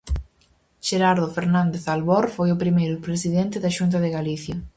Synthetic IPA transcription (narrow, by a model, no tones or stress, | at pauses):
ʃeɾaɾðʊfeɾnãnd̪eθalβɔɾfojʊpɾimejɾʊpɾesiðent̪ɪðɐʃunt̪̬ɐðeɣaliθjɐ